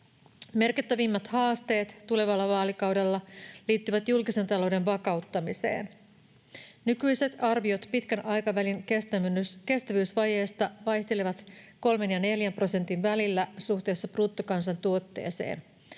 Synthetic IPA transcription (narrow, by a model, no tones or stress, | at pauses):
me̞rkit̪ːæʋimːɑt̪hɑːst̪e̞ːt̪ːule̞ʋɑlːɑʋɑːlikɑwde̞lːɑliːt̪ːyʋæt̪julkise̞nt̪ɑlo̞wde̞nʋɑkɑwt̪ːɑmise̞̰ːn | nykyjse̞t̪ɑrʋiot̪pit̪k̟ænʔɑjkɑʋæliŋke̞st̪æmynːyske̞st̪æʋyːsʋɑje̞ːst̪ɑʋɑjçt̪e̞leʋɑt̪ko̞lme̞njɑne̞ljæmpro̞se̞nt̪inʋælilːæsuht̪e̞ːsːɑpruːt̪ːokɑnsɑnt̪uo̞t̪ːe̞̰ːse̞̰ːn